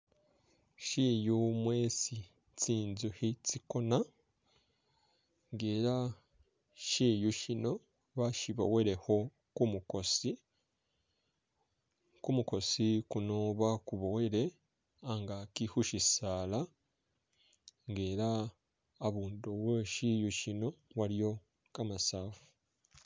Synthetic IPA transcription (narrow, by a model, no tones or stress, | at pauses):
ʃijumweːsi | t͡siːnzuhit͡sikona | ŋɡeːɾa | ʃijuʃino̞ | βaʃiβo̰weɾe̞ho̞ | kumukosi | kumuko̞sikunoβakuβoweɾe | aŋɡakihuʃisaːla | ŋɡeːɾaː | βuːndoweʃijuʃinowaɾijo̞ | kamasaːfu̥